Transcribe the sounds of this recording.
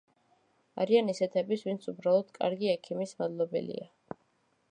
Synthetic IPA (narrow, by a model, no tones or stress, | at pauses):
a̰ɾianisɛt̪ʰɛbisvint̪sʰubɾalˠɔd̪̥kʼa̰ɾɡiɛkʰimismad̪lˠɔbɛ̰lḭa